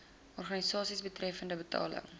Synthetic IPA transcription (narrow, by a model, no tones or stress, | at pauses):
ɔrχɑnisɑːsisbətrɛfəndəbətɑ̰ːlə̰ŋ